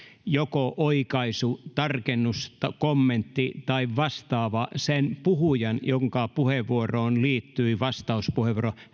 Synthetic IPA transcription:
jokoʔoikɑisut̪ɑrkenːust̪ɑkomːent̪ːit̪ɑiʋʋɑst̪ɑːʋɑsenpuhujɑnjoŋkɑpuheʋʋuoroːnliːt̪ːyiʋɑst̪ɑuspuheʋuoro

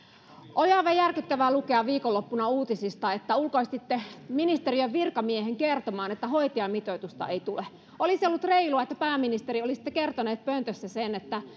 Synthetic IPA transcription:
ʔoliɑiʋɑjjærkyt̪ːæʋælukeɑʋiːkolːopːunɑuːt̪isist̪ɑet̪ːæulkoist̪it̪ːeminist̪eriøʋʋirkɑmieheŋkert̪omɑːnet̪ːæhoit̪iɑmit̪oit̪ust̪ɑ̰eit̪ule | ʔolisiolːut̪reiluɑet̪ːæpæːminist̪eɾiolisi̥t̪ːekert̪oneːt̪̚pønt̪øsːæsenet̪ːæ

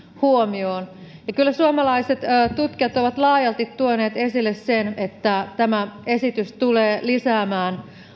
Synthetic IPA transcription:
huomioːnjɑkylːæsuomɑlɑiset̪ːt̪ut̪kiɑt̪oʋɑt̪lɑːjɑlt̪it̪tuoneːt̪e̞silːessenet̪ːæt̪æmæesit̪yst̪uleːlisæːmæːn

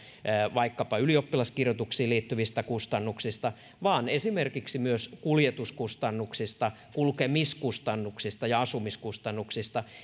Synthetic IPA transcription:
ʋɑikːɑpɑyliopːilɑskirjot̪uksiːliːt̪ːyʋist̪ækust̪ɑnːuksist̪ɑ | ʋɑːnesimerkiksimyøskuljet̪uskust̪ɑnːuksist̪ɑ | kulkemiskust̪ɑnːuksist̪ɑjɑɑsumiskust̪ɑnːuksist̪ɑ

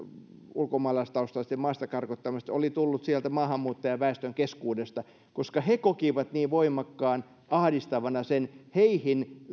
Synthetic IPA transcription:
ulkomɑːlɑist̪ɑust̪ɑst̪ːemɑːst̪ɑkɑrkot̪ːɑmist̪olit̪ulːut̪siælt̪æmɑːhɑmːuːt̪ːɑjɑʋæest̪øŋkeskuːdest̪ɑ | koskɑhekokiʋɑt̪niːʋʋoimɑkːɑːn | ʔɑhdist̪ɑʋɑnɑsenheihin

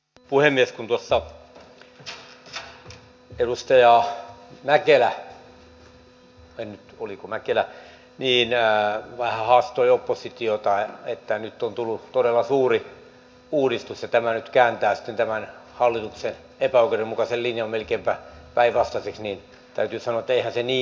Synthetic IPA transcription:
puhemːieskunt̪uosːɑ | edust̪ɑjɑmækelæ | ennyt̪olikomækelæ | niːnʋɑihɑhɑːst̪oiopːosit̪iot̪ɑet̪ːænyt̪ːont̪ulːut̪odelːɑsuːri | uːdist̪usjɑt̪æmænyt̪kæːnt̪æːsi̥t̪ːent̪æmænhɑlːit̪uksen | epæoˑkeremmukɑsellinjɑmmelkeːmpæpæiʋʋɑst̪ɑseksniːn | t̪æyt̪yːsɑnoɑet̪ːæeihænseniː

